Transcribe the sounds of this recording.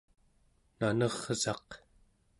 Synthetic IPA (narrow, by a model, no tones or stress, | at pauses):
nanʌʁ̥z̥ɑq